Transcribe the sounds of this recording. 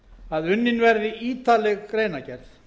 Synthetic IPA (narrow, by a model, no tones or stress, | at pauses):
aðʏnːɪnvɛɾðɪʔiːt̪alɛɣkɾeːjnacɛɾθ